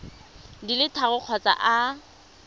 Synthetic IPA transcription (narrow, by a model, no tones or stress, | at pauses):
dilɪtʰaɣʊq͡χʰɔt͡sʼa̰ʔa